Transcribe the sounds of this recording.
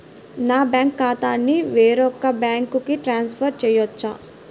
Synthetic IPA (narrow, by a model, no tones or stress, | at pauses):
naːbaːŋkːaːt̪aːnːiʋeːɾɔkːɐbaːŋkukiʈɾaːnspʰɐɾt͡ʃɛjɐt͡ʃːa